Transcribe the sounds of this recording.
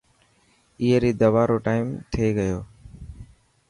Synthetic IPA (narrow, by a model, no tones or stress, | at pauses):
iːeɾiːd̪əʋaːɾoːʈaːɪmt̪ʰeːɡəjoː